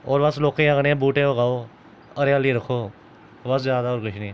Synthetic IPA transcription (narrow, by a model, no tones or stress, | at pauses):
ɔːɾʋɐsloːkẽaɡnẽbuːʈẽoɡaːoː | əɾjaːliɾɐkʰoː | ʋɐszjaːd̪aoːɾkʊʃniː